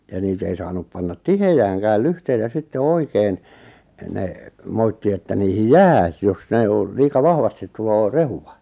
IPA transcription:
jɑ niːt ei sɑːnup pɑnːɑt tihejæːŋkæːl lyhteitæ sitːe oikeːn ne moitːi etːæ niːhij jæː s jos ne o liːkɑ ʋɑhʋɑstit tuloː rehuwɑ

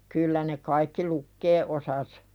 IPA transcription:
kylːæ ne kɑikːi lukːeː ʔosɑs

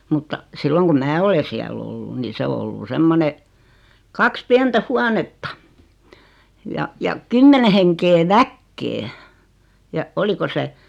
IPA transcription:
mutːɑ silːoŋ kum mæː ole siæl olːu ni se o olːu semːone kɑks piɛntæ huɑnetːɑ jɑ jɑ kymːene heŋkeː ʋækːeː jɑ oliko se

